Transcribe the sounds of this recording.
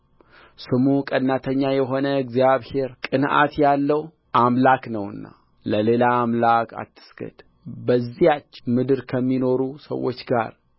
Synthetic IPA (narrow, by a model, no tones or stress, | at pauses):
sɨmukʼənːat̪ʰəɲːajɛɦo̞nəɛɡzjaβhe̞ɾkʼɨnʔa̰t̪jalːəw | ʔamlaknəwɨ̰nːa̰ | ləle̞laːmlakʰa̰t̪ʰːɨ̥sɡ̥ə̰d̪ | bəzːijat͡ʃːmɨd̪ɨɾkʰəmːino̞ɾusə̰wːo̞̰t͡ʃːɡa̰ɾ